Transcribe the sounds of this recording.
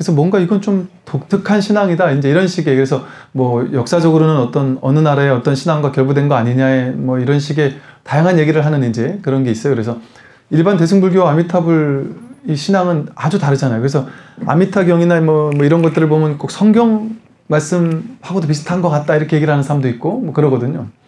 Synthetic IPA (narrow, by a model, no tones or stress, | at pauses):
kkɯesʰʌmwʌŋɡaiɡʌnt͡ɕomtok̚tʰɯkʰanɕʰinaŋidaind͡ʑe̞iɾʌnɕʰiɡe̞kɯɾe̞sʰʌ | mʌjʌk̚s͈ad͡ʑʌɡɯɾonɯnʌt͈ʌnʌnɯnaɾaeʌt͈ʌnɕʰinaŋɡwakjʌɭbudwenɡʌaɲiɲaemʌiɾʌnɕʰiɡe̞tajaŋɦanje̞ɡiɾɯɭɦanɯnind͡ʑe̞kɯɾʌnɡe̞is͈ʌjokɯɾe̞sʰʌ | iɭbante̞sʰuŋbuɭɡjoamitʰabɯɭiɕʰinaŋɯnad͡ʑutaɾɯd͡ʑanajokɯɾe̞sʰʌa̰mitʰaɡjʌŋinamʌmʌiɾʌnɡʌt͈ɯɾɯɭbomjʌnk͈ok̚sʰʌŋɡjʌŋ | maɭs͈ɯmhaɡodop̬isʰɯ̥tʰanɡʌkat̚t͈aiɾʌkʰejeɡiɾɭɦanɯnsʰaɾamdoit̚k͈omwʌkɯɾʌɡʌdɯɲo